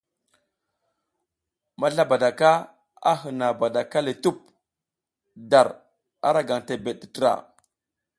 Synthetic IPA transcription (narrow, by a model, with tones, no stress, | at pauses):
ma˦ɬa˦ba˨da˨ka˦ | a̰˦ɦə˨na˨ba˨da˨ka˦le˨tu˦p̚ | da˨ɾ | a̰˦ɾa˦ɡa˨ŋte˨be˨ɗi̥˨tə˦ɾa̰˨